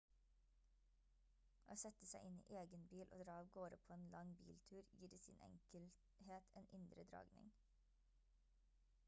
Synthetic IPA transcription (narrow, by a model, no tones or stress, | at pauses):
ʔoːsɛt̪əsæɪʔɪnḭːʔeːɡənbiːlʔo̰ːd̪ɾɑːɑʋɡoːɾɔpʰoːeːnlɑŋbḭːlt̪ʰʉːɾjiːɖeːsḭːnɛ̰ŋkəlt̪ | heːt̪ʰʔeːnʔɪnd̪ɾəd̪ɾɑ̰ːɡnɪ̰ŋ